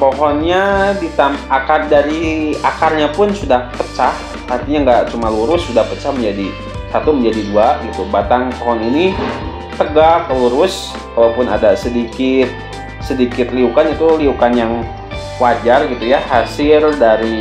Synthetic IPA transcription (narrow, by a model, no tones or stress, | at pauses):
pɔɦɔnɲadit̪amakardaɾiakarɲapʊnsudahpət͡ʃah | art̪iɲaŋɡaʔt͡ʃumaluɾʊsːudahpət͡ʃahməɲd͡ʒadi | sat̪uməɲd͡ʒadiduaɡit̪ubat̪aŋpɔɦɔnini | t̪əɡakəluɾʊs | kalawpʊna̰dasədikɪt̪̚ | sədikɪt̪liukanit̪uliukanjaŋ | wad͡ʒarɡit̪ujahasɪldaɾi